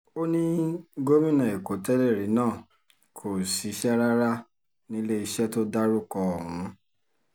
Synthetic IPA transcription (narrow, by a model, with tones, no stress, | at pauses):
o˦nĩ˦ɡo˦mĩ˦nã˨e˨ko˨˦tɛ˦lɛ˦˨ɾi˨˦nãː˦˨ | kʰo˨si˨˦ʃɛ˦ɾa˦ɾa˦ | nĩ˦le˦i˧ʃɛ˦to˦da˦ɾu˦kɔ˧ɔ˨ɾũ˨˦